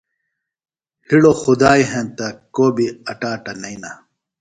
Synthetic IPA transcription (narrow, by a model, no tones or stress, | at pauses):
hiɽoxud̪aːiɦẽnt̪ɐkoːbiɐʈaːʈɐnɐina